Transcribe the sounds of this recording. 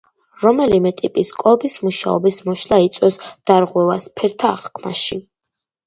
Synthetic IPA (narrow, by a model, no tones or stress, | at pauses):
ɾɔmɛlimɛt̪ʼipʼiskʼlɔbismuʃa̰ɔ̰bismɔʃlˠait̪sʼwɔsd̪̥aɾʁwɛvaspʰɛɾt̪ʰa̰ːχkʰmaʃi